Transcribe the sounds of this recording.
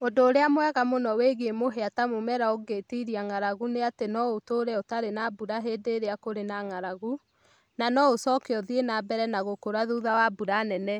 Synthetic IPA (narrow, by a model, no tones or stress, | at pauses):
ondoːɾeamwɛɣamonɔweɣeemoɦeatamomɛɾaoɡetiɾiaŋaɾaɣuneatenɔotoɾɛotaɾenabuɾaɦeːdeːɾeakoɾenaŋaɾaɣu | nanɔosɔkeɔðienabɛɾɛnaɣokoɾaðuðawabuɾanɛnɛ